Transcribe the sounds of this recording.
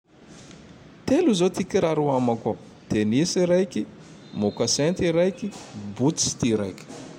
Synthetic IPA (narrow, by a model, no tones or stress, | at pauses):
t̪eluzot̪ikʲiɾaɾuamaka | d̪̥enisiɾajkʲi | mokasɛnt̪iɾajkʲibut̪si̥t̪iɾa̰jkʲi̥